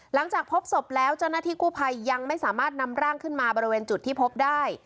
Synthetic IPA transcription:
la˩˦ŋt͡ɕaː˨˩k̚pʰo˦˥p̚so˨˩p̚lɛː˦˥wt͡ɕa˥˩wnaː˥˩t̪ʰiː˥˩kuː˥˩pʰa˧jːa˧ŋma˥˩jsaː˩˦maː˥˩t̪̚na˧mɾaː˥˩ŋkʰɯ˥˩nmaː˧bɔː˧ɾi˧weː˧nt͡ɕu˨˩t̪ʰːiː˥˩pʰo˦˥p̚daː˥˩j

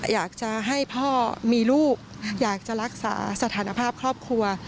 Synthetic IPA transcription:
jaː˨˩k̚t͡ɕa˨˩ɦa˥˩jpʰɔː˥˩miː˧luː˥˩k̚ | jaː˨˩k̚t͡ɕa˨˩ɾa˦˥k̚sa̰ː˩˦sa˧t̪ʰaː˩˦na˧pʰaː˥˩p̚kʰɾɔː˥˩p̚kʰɾu˧ɐ

